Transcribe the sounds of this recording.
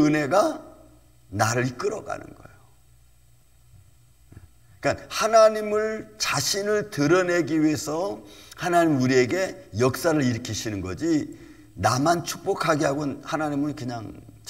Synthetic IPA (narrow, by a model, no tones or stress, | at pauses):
ɯne̞ɡa | naɾɯɭik͈ɯɾʌɡa̰nɯ̰nɡʌejo | ik͈anhanaɲimɯɭt͡ɕaɕʰinɯɭtɯɾʌne̞ɡiɥie̞sʰʌhanaɲimuɾie̞ɡe̞jʌk̚s͈aɾɯɾiɾɯkʰiɕʰinɯnɡʌ̰d͡ʑi | namant͡ɕʰu̥k̚p͈okʰaɡiɦaɡonhanaɲimɯnkɯɲaŋt͡ɕ